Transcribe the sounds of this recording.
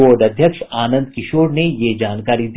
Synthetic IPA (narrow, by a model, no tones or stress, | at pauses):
oːɾɖɐd̪ʱjəkʃaːnə̃nd̪kɪʃoːɽnejed͡ʒaːnkaːɾid̪